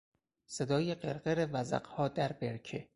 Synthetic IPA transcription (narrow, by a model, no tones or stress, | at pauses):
se̞d̪ɒːjeɢeɾɢeɾevæzæ̰qhɒːd̪æɾbeɾcʰe